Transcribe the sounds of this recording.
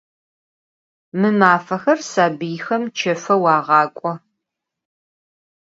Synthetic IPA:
mɨmaːfɐxɐrsaːbɨjxɐmt͡ʃʰɐfɐwɑːʁɑːkʷʼɔ

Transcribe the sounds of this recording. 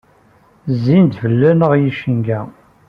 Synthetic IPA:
zːint̪vəlːænəʁjiʃənɡæ

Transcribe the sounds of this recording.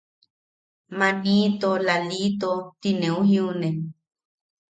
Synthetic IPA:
mãnĩt̪olalit̪ot̪inẽũɦĩũnẽ

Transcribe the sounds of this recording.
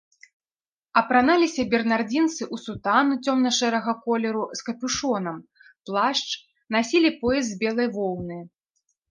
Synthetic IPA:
ɐpɾanalʲisʲɐbʲɛrnard͡zʲint̪sɨʔusut̪anut͡sʲɔmnɐʂɛɾɐɣɐkɔlʲɛɾuskɐpʲuʂɔnɐm | plˠaʂt͡ʂ | nasʲilʲipɔjɛzʲbʲɛlˠɐjvɔw̪ˠnɨ

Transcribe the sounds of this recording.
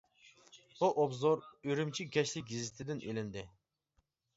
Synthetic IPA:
buʔobzoɾyɾymt͡ʃʰiɡʲɛʃlɪk̚ʲɡʲizɪt̪ʰɪd̪ɪnʔḛlɪnd̪ɪ

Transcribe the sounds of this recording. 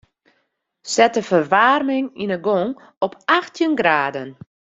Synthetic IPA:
sɛtəfərʋaːrmɪŋinəɡoŋ | ɔpʰaxtʰjənɡraːdən

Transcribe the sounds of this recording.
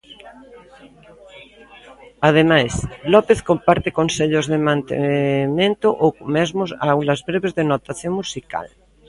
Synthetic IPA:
að̞emajslɔpeθkompaɾt̪ekonseʎozðemãnt̪ḛmẽnt̪oʔomezmosawlazβɾeβezðenot̪aθjoŋmusika̰l

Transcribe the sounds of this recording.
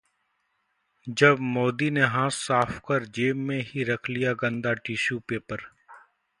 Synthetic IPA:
d͡ʒɐbmoːd̪ineɦãːsːaːfʰkəɾd͡ʒeːmːẽɦiɾɐkʰlijaɡə̃nd̪aʈiːʃuːpeːpəɾ

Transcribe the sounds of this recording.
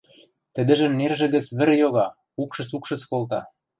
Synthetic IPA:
t̪ə̆d̪ə̆ʒə̆mnerʒĕɣə̆t͡sβɘ̆rjoɣɑ | ukʃɤ̆t͡sukʃɤ̆t͡skolt̪ɑ

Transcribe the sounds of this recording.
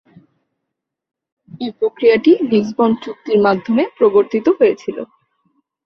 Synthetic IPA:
epɾokɾijaʈilisbɔnt͡ɕuk̚t̪iɾmad̪ʱːomepɾoboɾt̪it̪oɦojet͡ɕʰilo̰

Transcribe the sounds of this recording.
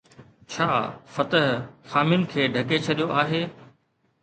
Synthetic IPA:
t͡ɕʰaːfɐt̪əɦxaːmɪnɪ̆kʰeːɖʱɐket͡ɕʰɐɗijoʔaːɦeː

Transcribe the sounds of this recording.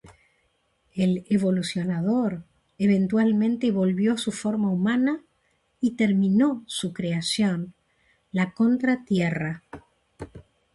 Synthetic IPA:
eleβo̞lusjo̞naðoɾ | eβe̞nt̪walmẽnt̪eβo̞lβjo̞sufoɾmaumana | it̪eɾmĩnosukɾeasjo̞n | lako̞nt̪ɾat̪jera

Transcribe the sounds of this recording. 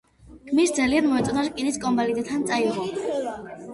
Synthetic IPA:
kʰmisd̪zalianmɔɛt̪sʼɔnaɾskʼiniskʼɔmbalid̪ɛt̪ʰant̪sʼaiɔa

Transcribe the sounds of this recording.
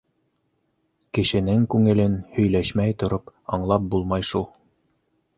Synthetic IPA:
kɘ̆ʃɘ̆nɘŋkʉŋɘ̆lɘnhɵ̆jlæʃmæjt̪ŏɾopɑɴlˠɑp̚bulˠmɑjʃulˠ

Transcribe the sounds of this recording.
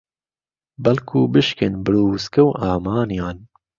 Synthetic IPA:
bɐlkʰuːbɨʃkɨnbɨɾuːskɐwʔɑːmɑːnijɑːn

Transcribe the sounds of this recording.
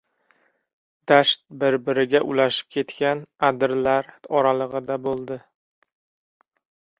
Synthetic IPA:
d̪̥aʃt̪̚bɪɾbɪɾɪɡʲaʔʊlaʃɪ̥p̚kʲʰe̞t̪kʲanad̪ɪɾlaɾɒɾalˠɨʁɨd̪abolˠd̪ɪ

